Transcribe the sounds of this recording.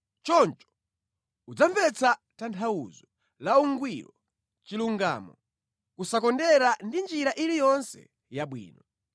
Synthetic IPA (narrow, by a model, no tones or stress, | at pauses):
t͡ʃɔnt͡ʃɔ̥ | ud͡zaɱvɛt͡satantʰauzɔ | lauŋɡwiɾɔ | t͡ʃiluŋɡa̰ːmɔ | kusakɔndɛɾandind͡ʒiɾaʔilijɔnsɛ̰ | jaɓwḭːnɔ